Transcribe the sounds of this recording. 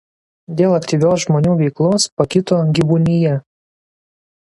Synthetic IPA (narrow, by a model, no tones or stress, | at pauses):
d̪ʲeːlˠɐkt̪ʲiːʋʲoːs̬ʒmoːnʲuːʋʲɛɪklˠoːspɐkʲɪt̪oːɡʲiʋunʲɪjɛ